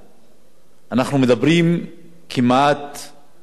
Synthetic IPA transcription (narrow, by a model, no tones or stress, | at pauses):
anaχnumed̪abʁim | kʰimat̪